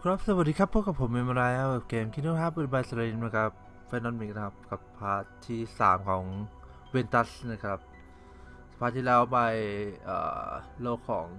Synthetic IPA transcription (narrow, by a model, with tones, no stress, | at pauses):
kʰɾɔː˦˥p̚sa˧˨wa˨˩d̪iː˧kʰa˥pʰːo˦˥t̚ka˨˩pʰːo˩˦mːe˧ma˧ɾa˧jʔa˦˧˥e˧˩p̚keː˧mkʰi˧˥nu˦˥pʰaː˥p̚u˧˩˨ba˧˩sa˧ɾi˧nma˧˩kʰa˦˧˩p̚ | fnɔː˧nmi˨˩k̚na˧kʰa˧˥p̚ka˨˩pʰːaː˧˥t̪ʰiː˧˥˩sa̰ː˩˦mkʰɔː˩˦ŋ | we˧nt̪a˦˥sna˧˩kʰɾa˦˧˥p̚ | sḁ˨˧pʰaː˧˩t̪ʰiː˧lɛː˦˥wba˧˩jʔa̰ː˨˩loː˧˩kʰːɔ̰ː˩˦ŋ